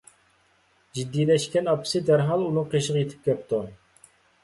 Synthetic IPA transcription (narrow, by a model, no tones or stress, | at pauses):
d͡ʒid̪ːijlɛʃkʲɛnɑpʰɪ̥sɨd̪æɾɦɑlˠunɨŋqʰeʃəʁɑjet̪ʰɪ̥p̚kʲæp̚t̪ʰu